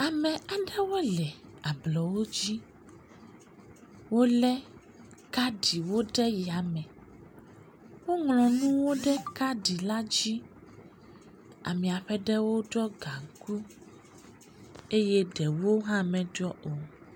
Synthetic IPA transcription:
a˨mɛ̃˨a˨ɖɛ˦wo˦lɛ˨a˨blɔ˨wo˦d͡ʑi˦ | wo˦lɛ˦ | ka˦ɖi˨wo˦ɖɛ˦ji˨a˨mɛ̃˨ | wo˦ŋlɔ̃˨nũ˦wo˦ɖɛ˦ka˦ɖi˨la˦d͡ʑi˦ | a̰˨mĩ˨a˨ɸɛ˦ɖɛ˦wo˦ɖɔ˦ɡa˨ŋ˨ku˦ | e˦jɛ˦ɖɛ˨wo˦ɦã˦mɛ̃˨ɖɔ˦ʔo˨

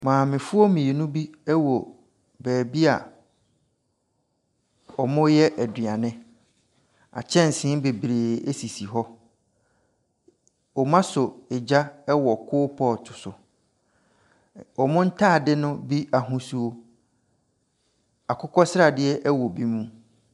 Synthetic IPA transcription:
mãː˨mɪ̃˨fʊ˦o˦mĩ˨e˨nũ˦bi˦ɛ˦wɔ˨ | bɛː˨bi˦a˨ | ɔ˨mʊ̃˦jɛ˦ʔæ˨dɥã˨nɪ̃˦ | a̰˨t͡ɕʰɛ̃˦n̩˨sɪ̃˦be˨bɾe˨e˦si˨si˨ɦɔ˦ | ɔ˨mã˦sʊ˨ɪ˨d͡ʑa˦ɛ˦wɔ˨kʰʊː˦pʰɔ˦˨tʰʊ̥˨sʊ˨ | ɔ˨mʊ̃˦n̩˦tʰaː˦˨dɪ˦nʊ̃˦bi˦a˨ɦʊ̃˦su˦o˦ | a˨kʰʊ˦kʰɔ˦sɪ˦ɾa˨dɪ˦ɛ˦ʔɛ˦wɔ˨bi˦mũ˦

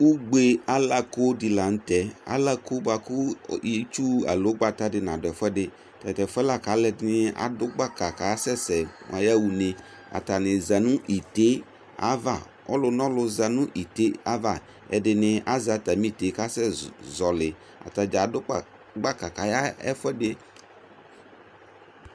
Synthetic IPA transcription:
u˦ɡ͡be˦a˦la˦ko˦dɪ˨la˨n̩˦tɛ˨a̰˨˦la˦ko˦ba˨kʊ˦e˦t͡ʃu˦a̰˨lo˨˦ɡ͡ba˨ta˦dɪ˨n˨ã˨dɛ˨fɛ˦dɪ˦ | ta˨tɛ˨fʊ˦ɛ˦la˦˨ka˨˦lɛ˦dnɪ˦a̰˨dʊ˦ɡ͡ba˦ka˨ka˨ja˦sɛ˦sɛ˨ŋa˨ja˦wu˨ne˨ | a̰˨ta˨nɪ˨za˨nʊ̃˦ʔi˨te˦ | a̰˦va˨ | ɔ̰˦lʊ˦n˦ɔ˦lʊ˦za˨nʊ̃˦ʔi˨te˦a˦va˦˨ | ɛ̰˨dɪ˨nɪ˨a˦za˨˦ta˨mĩ˦˨te˨˦ka˦sɛ˦zɔ˨lɪ˨ | a̰˨ta˨d͡ʒa˨dʊ˦k͡p | ɡ͡ba˦ka˨ka˨ja˦ɛ̰˦fɛ˦dɪ˦

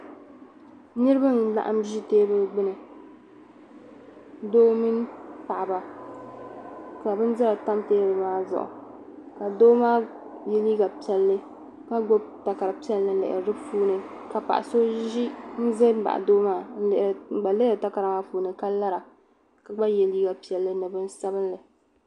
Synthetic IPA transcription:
nɨ˦ɾɨ˦ba˦n˨la̰˦ʔa̰˦mʒi˦teː˦bɨ˦ɡ͡bɨ˦nɨ˨ | doː˦mi˦n˦pa˨ʔba˨ | ka˨bɨ˦n̩˦zɨ˦ɾa˨ta˦mteː˦bɨ˨maː˦zʊ̰˨ʔʊ̰˨ | ka˨doː˦maː˦ | jɛ˦liː˦ɡa˨pi˦ɛ˦lːɨ˦ | ka˦ɡo˦bta˨ka˨ɾɨ˨pi˦ɛ˦lːɨ˨n̩˨lɪ̰˨ʔɪ̰˨ɾɨ˨dɨ˦puː˦nɨ˨ka˨pa̰˨ʔa̰˨so˦ʒi˦n̩˦ze˦m˦ba̰˨ʔa̰˨doː˦maː˦n̩˦˨ʔɡ͡ba˨lɨ˦ɾɨ˨ta˦ka˨ɾa˨maː˦puː˨˦nɨ˨ka˦la˦ɾa˨ | ka˨ɡ͡ba˦jɛ˨liː˦ɡa˨pi˨ɛ˨lːɨ˦nɨ˨bɨ˦n˦sa˦bɨ˦nlɨ˨

